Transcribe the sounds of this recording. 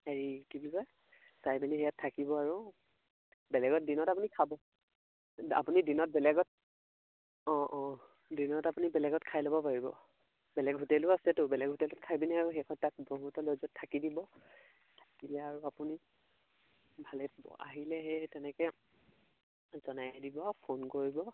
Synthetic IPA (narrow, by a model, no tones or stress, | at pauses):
eɹikibilɔj | sajbiniɦɛjatʰːakibɔaɹu | bɛlɛɡɔt̚dinɔtapunikʰabɔ | a̰punidinɔt̚bɛlɛɡɔt̚ | ɔ̃ʔɔ̃ | dinɔtapunibɛlɛɡɔtkʰajlɔbɔpaɹibɔ̰ | bɛlɛɡɦutɛlʊasɛtʊbɛlɛɡʱutɛlʊtkʰajbinɛaɹuɦɛkʰɔntak̚boɦutɔlozɔtʰːakidibɔ | tʰḁkilɛaɹuapuni | bʱalɛbɔ̰ʔa̰ɦilɛɦɛtɛnɛkɛ | zɔnajdibɔpʰonkoɹibɔ